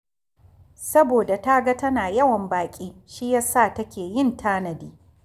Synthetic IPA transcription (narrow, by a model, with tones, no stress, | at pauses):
sɐ˦boː˨da˨ta˦ɡa˦tɐ˦naː˨jɐ˦wɐ˨mbaː˨kʲʼiː˦ʃiː˦ja˦saː˦˨tɐ˦kʲeː˨jɪ˦ntʰaː˦nɐ˨diː˦